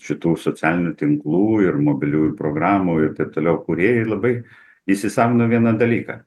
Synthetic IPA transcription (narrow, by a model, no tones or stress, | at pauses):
ʃʲɪt̪uːsot͡s̪ʲæːlʲɪnʲut̪ʲɪŋklˠuːɪrmoːbʲɪlʲuːjupɾoːɡɾɑːmuːɪrt̪ɐɪp̚t̪oːlʲɛʊkʊɾʲeɛjɛlˠɐbɐɪ | isʲɪsɑːmʲɪnoʋʲiɛnɐd̪ɐlʲiːkɑ̰